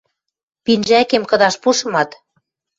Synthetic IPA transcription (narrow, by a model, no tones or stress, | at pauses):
pinʒækemkɤ̆ðɑʃpuʃɤ̆mɑt̪